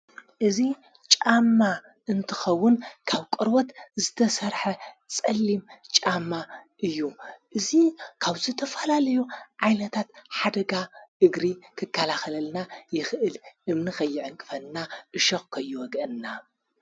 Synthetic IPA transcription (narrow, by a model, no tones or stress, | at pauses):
ʔɨzi | t͡ʃʼamːa | ʔɨnt̪ʰɨxɐwːʊnkʰaβkʼɨɾwot̪zɨt̪ʰɐsɐɾħɐt͡sʼɐlːimt͡ʃʼamːaʔɨjːuʔɨzikʰaβzɨt̪ʰɐfɐlalɐjuʕajnɐt̪ʰat̪ħad̪ɐɡaʔɨɡɾikʰɨkʰːalaxɐlɐlnajɪxʔɨlʔɨmnixʰɐjːɪʕɨŋkʼɨfɐlːaʔɨʃɐxkʰɐjːuwɔɡɐnːa